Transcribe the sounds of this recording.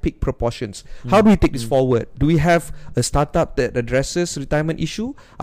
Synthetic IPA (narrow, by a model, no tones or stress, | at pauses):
pik̚pʰɹɔpɔʃə̃nshawduwitek̚disfɔwəd̚ːuwiɦɛvəstatap̚dɛtədɹɛsəsɹitajəmə̃nʔiʃu | ʔ